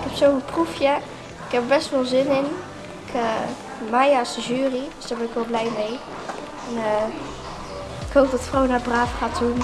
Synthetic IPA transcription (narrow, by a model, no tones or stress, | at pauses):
ɪkɛpsoːvənprufjə | ɪkɛpəbɛstʋolˠzɪnɪn | ɪkʰə | majasəʒyːridøsd̥abɛnɪkʋɛlˠblɛjmej | ɛnəː | ɪkhowp̚dɔtfrownaːbraːfχaːtun